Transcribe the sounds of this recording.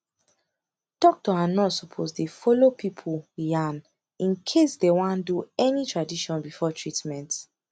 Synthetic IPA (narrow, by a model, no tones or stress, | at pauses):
tɔk̚toãnɔtsɔpʰozdefɔlopipʰuljãn | ĩnkʰesdewãnduɛnitʰɹadiʃɔ̃nbifɔtʰɹitmɛ̃nt